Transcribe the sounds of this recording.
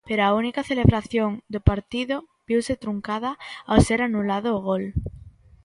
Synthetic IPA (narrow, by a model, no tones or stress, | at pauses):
peɾoaunikaθeleβɾaθjoŋd̪opaɾt̪iðo | biwset̪ɾuŋkaðaawseɾanulaðoːɣ̞ol